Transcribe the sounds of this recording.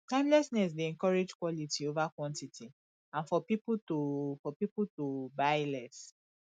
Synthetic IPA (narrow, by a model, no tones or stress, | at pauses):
kãɪ̃mlɛsnɛs̬deɛ̃ŋkɔɹed͡ʒkwɔlitiovakwɔ̃ntiti | ãnfɔpiputofɔpipultobaɪlɛs